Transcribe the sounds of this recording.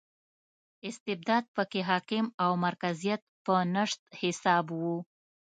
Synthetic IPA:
ɪst̪ɪb̚d̪ɑd̪̚pəkeɦɑkɪmawmaɾkazijat̪̚pənəʂt̪̚hɪsɑbwu

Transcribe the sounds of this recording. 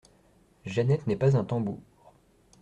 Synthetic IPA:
ʒanɛt̪nɛpazɛ̃t̪ɑ̃buːʁ

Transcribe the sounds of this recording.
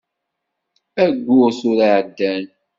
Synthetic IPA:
æɡʷːʊsʊɾaʕəd̪ːæn

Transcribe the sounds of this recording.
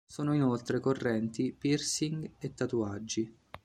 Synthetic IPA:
soːnoinolt̪ɾekorːɛnt̪ipirsiŋɡet̪ːat̪uad͡ʒːi

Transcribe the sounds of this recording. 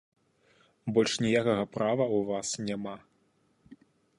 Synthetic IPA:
bɔlʲʂnʲijakɐɣɐpɾavɐuvasnʲama

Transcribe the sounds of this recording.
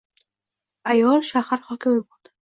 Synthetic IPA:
ajɒlʃahaɾhɒkɪmibud̪̥

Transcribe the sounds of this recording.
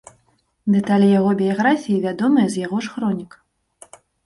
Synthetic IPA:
d̪ɛt̪alʲjaɣɔbʲijaɣɾafʲijivʲad̪ɔmɨjɐzjaɣɔʂxɾɔnʲik

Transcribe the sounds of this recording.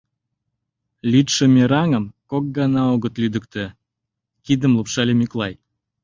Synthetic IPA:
lʲyt̪ʃə̆mʲeɾɑŋəmkok̚ɡɑnɑoɣət̪lyd̪əkt̪e | kid̪əmlupʃɑlʲemyklɑj

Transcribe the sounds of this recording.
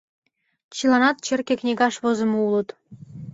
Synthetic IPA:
t͡ɕilˠɑnɑt̪̚t͡ɕĕrkʲĕknʲiɡɑʃβozɤ̆mɤ̆ulɤ̆t̪

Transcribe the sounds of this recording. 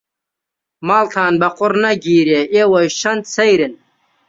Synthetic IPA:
maːlt̪ʰaːnbɐqʊɾnɐɡiːɾeewɐjɕɐnt̪sɐjɾin

